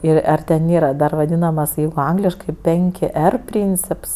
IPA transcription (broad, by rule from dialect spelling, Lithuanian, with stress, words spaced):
ˈɪr ˈɐr tʲɛn ˈnʲeːrɐ dɐr ˈʋɑːdʲiːnɐmɐs ˈjɛɪɡʊ ˈɐŋɡlʲɪʃkɐɪ ˈpʲɛŋʲkʲɪ ˈɛr ˈpʲrʲiːnʲt͡sʲɪps